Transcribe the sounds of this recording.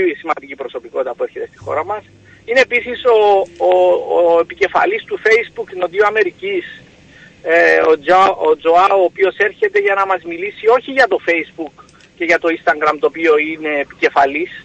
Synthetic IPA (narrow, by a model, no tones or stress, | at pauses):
simɐnd̪icipɾo̞so̞piko̞t̪it̪ɐpue̞ɾçe̞t̪e̞st̪i̥xo̞̰ɾɐmɐs | ine̞ːpisiso̞ː | epice̞fɐ̰list̪ufe̞izbukinoðioɐme̞ɾicis | oood͡ʒoɐoːpio̞se̞ɾçe̞t̪e̞ʝɐnɐmɐzmilisio̞çiʝɐt̪o̞fe̞izbuk | cːe̞ʝɐt̪o̞inst̪ɐŋɡɾɐmt̪oːpio̞ine̞ːpice̞fɐlis